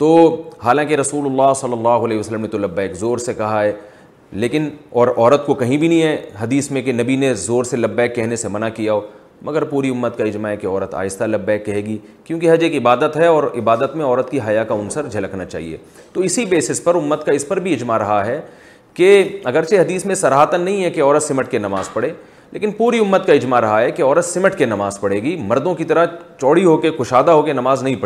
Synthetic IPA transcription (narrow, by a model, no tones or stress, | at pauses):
t̪oːhaːlãːkeɾɐsuːlʊlːaːɦsɐlːəlːaːɦʊɐlɛːeʋəsəlːəmnet̪olɐbːɛːkzoːɾsekɐɦaɦɛː | leːkɪnɔːɾɔːɾət̪kokɐɦĩbʱinɐɦĩɦɛɦɐd̪iːsmẽkenɐbinezoːɾselɐbːɛːkːɛɦnesemɐnakijaoː | mɐɡəɾpuːɾiʊmːət̪kaɪd͡ʒmaɦɛkeɔːɾət̪a̰ːjɪst̪alɐbːɛːkːɐɦeːɡi | kjõːk̬iɦɐd͡ʒeːkɪbaːd̪ət̪ɦɛɔːɾɪbaːd̪ət̪mẽɔːɾət̪kiɦɐjakaʊnsəɾd͡ʒʱɐlɐkʰnat͡ʃa̰ːɦḭḛː | t̪oːɪsibeːsɪspɐɾʊmːət̪kaɪspɐɾbʱiɪd͡ʒmaɾɐɦaɦɛ | keɐɡəɾseɦɐd̪iːsmẽsɐɾɦaːt̪ənːɐɦĩɦɛkeɔːɾət̪sɪməʈkenɐmaːzpɐɽeː | lʔḛːkɪnpuːɾiʊmːət̪kaɪd͡ʒmaɾɐɦaɦɛkeɔːɾət̪sɪməʈkenɐmaːzpɐɽeːɡimɐɾd̪õkit̪ɐɾət͡ʃɔːɽiɦoːkexʊʃaːd̪aɦoːkenɐmaːznɐɦĩpɐ